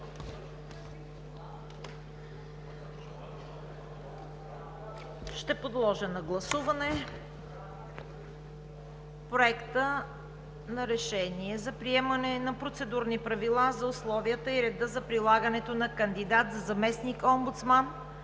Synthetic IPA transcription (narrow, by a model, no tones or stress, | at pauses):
ʃt̪ɛpod̪lˠɔʒənɐɡlˠɐsuvɐnɛ | pɾoɛkt̪ə | nɐɾɛʃɛniɛzɐpɾiɛmɐnɛnɐpɾot̪sɛd̪uɾnipɾɐvilˠazɐʊslˠɔviət̪əiɾɛd̪əzɐpɾilˠaɡənɛt̪onɐkənd̪id̪at̪zɐzɐmɛsnikɔmbʊt̪sman